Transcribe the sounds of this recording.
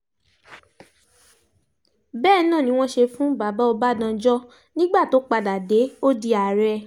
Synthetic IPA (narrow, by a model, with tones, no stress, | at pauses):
bɛː˦˨˦nãː˦˨nĩ˦w̃ɔ̃˦ʃe˧fũ˦ba˨ba˨˦o˧ba˦dã˧d͡ʒɔ˦ | nĩ˦ɡ͡ba˦˨to˨˦k͡pa˧da˨de˨˦o˦di˧a˨ɾɛ˧